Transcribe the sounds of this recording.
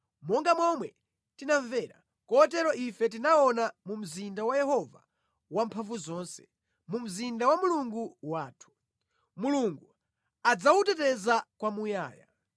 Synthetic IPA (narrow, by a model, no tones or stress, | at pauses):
mɔŋɡamɔmwɛ | tinaɱvɛɾa̰ | kɔtɛɾɔʔifɛt̬inaɔnamum̩zindawajɛhɔva | wampʰaɱvuzɔːnsɛ̥̰ | mum̩zindawamuluŋɡuwaːtʰu̥ | muluŋɡu | ad͡zawutɛtɛzakwamuja̰ːja̰